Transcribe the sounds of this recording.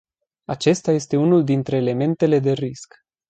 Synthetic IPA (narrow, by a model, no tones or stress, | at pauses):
at͡ʃe̞st̪aje̞st̪e̞unuld̪int̪ɾe̞ːle̞me̞nt̪e̞le̞d̪e̞risk